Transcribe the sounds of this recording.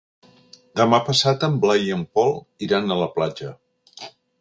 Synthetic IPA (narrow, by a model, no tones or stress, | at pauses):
d̪əmapəsat̪əmblajiəmpɔlˠ | iɾanələplad͡ʒə